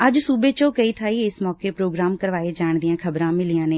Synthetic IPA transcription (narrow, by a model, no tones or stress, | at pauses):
əd͡ʒsuːbeːt͡ʃõːkəiːt̪ʰaːiːɪsmɔːkeːpɾoːɡɾaːmkəɾʋaːeːd͡ʒaːɳd̪ijãːkʰəbɾãːmɪlijãːneː